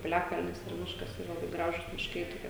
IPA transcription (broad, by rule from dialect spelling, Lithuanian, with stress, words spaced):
pʲɪˈlʲæːkɐlʲnʲɪs ɪr ˈmʲɪʃkɐs ˈiːrɐ lˠɐˈbɐɪ ˈɡrɑːʒʊs mʲɪʃˈkɐɪ toːˈkʲiɛ